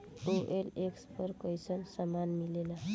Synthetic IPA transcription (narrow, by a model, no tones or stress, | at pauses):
oʔelekspəɾkəjsənsəmanmilela